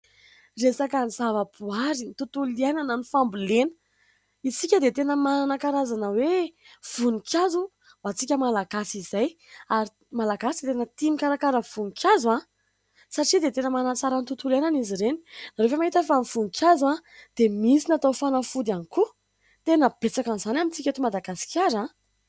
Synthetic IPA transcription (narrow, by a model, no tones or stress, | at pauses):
resakanizavəpuaɾint̪ut̪ulienananifambulenə̥ | isikʲəd̪et̪enəmananakaɾazanəwev̥unikʲazu | wat͡sikʲəmalaɡasizajaɾi | malaɡasid̪et̪enət̪imikaɾakaɾəv̥unkʲʰaza | saʈ͡ʂid̪et̪enəmanat͡saɾant̪ut̪ulenaniziɾeni̥naɾefamaɦit̪əfamfunikʲazad̪̥emisinat̪awfanəfud̪ianiku | t̪enəb̥et͡sakanizanamint͡sikʲat̪umad̪aɡasi̥kʲaɾa